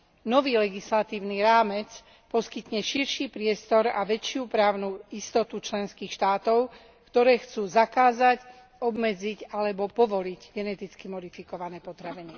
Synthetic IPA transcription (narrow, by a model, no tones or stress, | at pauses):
nɔʋiːlɛɡislat̪iːʊniɾaːmɛt͡s | pɔskit̪ɲɛʃiɾʃiːpɾɪɛst̪ɔɾa̰ʋɛt͡ʃɪupɾaːʊnuist̪ɔt̪ut͡ʃlɛnskiːxʃt̪aːt̪ɔʊ | kt̪ɔɾɛːxt͡suːzakaːzac | ɔbmɛd͡ziɟalɛbɔpɔʋɔliɟɡɛnɛt̪it͡skimɔd̪ifikɔʋanɛːpɔt̪ɾaʋinɛ